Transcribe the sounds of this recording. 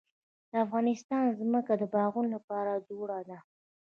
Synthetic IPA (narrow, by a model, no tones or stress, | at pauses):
d̪̥əafɣɑnɪst̪ɑnzməkad̪əbɑɣunlapɑɾad͡ʒoɽad̪a